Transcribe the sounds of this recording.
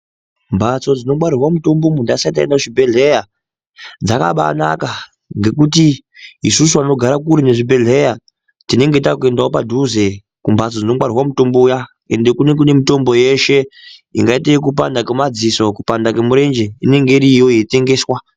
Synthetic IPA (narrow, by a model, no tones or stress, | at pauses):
mbʱat͡so̞d͡zino̞mwaɾirwamuto̞mbo̞mundaisaitaendaʐibʱe̞ɮe̞ja | d͡zaka̰ɓa̰na̰ka | ŋɡe̞kuti | isusuano̞ɡʱaɾakuɾineʐibʱe̞ɮʱe̞ja | tine̞ŋɡe̞takue̞ndaopadʱuze̞ | kumbʱat͡so̞d͡zino̞mwaɾirwamuto̞mbouja | e̞nde̞kune̞k̬une̞mito̞mbo̞je̞ʃe̞ḭŋɡaiteik̬up̬andakemad͡ziso̞kupandakemuɾe̞nd͡ʒe̞ine̞ŋɡe̞ɾijo̞jete̞ŋɡe̞ːswa